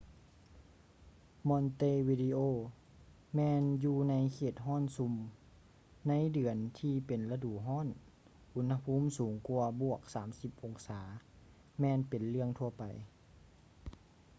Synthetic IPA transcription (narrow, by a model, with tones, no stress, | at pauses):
mɔ˧˥nt̪eː˧˨wiː˧diː˧ʔoː˧˩ | mɛː˧njuː˧na˧˥jkʰeː˧˩t̪̚ɦɔː˥˨nsu˧m | na˧˥jdɯ˨˩ənt̪ʰiː˧pe˨nla˧duː˨˩˨ɦɔː˥˨n | ʔu˧˥nha˧pʰuː˧˥˨msuː˨˦ŋku˧ɐbu˧˩ək̚saː˩˦msi˧p̚ʔo˨˧˩ŋsaː˩˦ | mɛː˧npe˨nlɯ˥˩əŋt̪ʰu˧ɐpa˨˩j